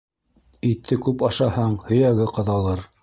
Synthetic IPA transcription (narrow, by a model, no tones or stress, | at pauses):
it̪ʰːɘkʉpɑʃɑhɑɴhɵ̆jæɡɘqɤ̆ðɑlˠɤɾ